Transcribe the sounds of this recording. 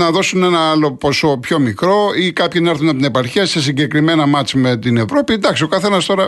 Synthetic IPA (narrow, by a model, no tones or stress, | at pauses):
nɐðo̞sune̞nɐɐlo̞poso̞pço̞mikɾo̞ikɐpçinɐeɾθunɐpot̪inepɐɾçeɐse̞s̬iɲɟe̞kɾime̞nɐmɐt͡smet̪ine̞vɾo̞pind̪ɐksio̞kɐθe̞nɐst̪o̞ɾɐ